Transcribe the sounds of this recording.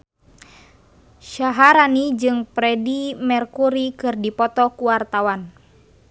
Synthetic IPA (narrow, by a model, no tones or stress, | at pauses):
ʃaɦaɾanid͡ʒɨŋpɾɛdimɛrkuɾikɨrdipɔt̪ɔkuwart̪awan